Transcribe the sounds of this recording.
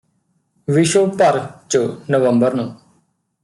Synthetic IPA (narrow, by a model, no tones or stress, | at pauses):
ʋɪʃoːpəɾt͡ʃənəʋəmbəɾnũː